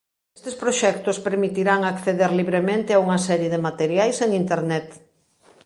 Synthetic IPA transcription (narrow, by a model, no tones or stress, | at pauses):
est̪espɾoʃɛk̚t̪ospeɾmit̪iɾaŋakθeðeɾliβɾemẽnt̪ɪauŋɐsɛɾjeðemat̪eɾjajseŋint̪eɾnɛt̪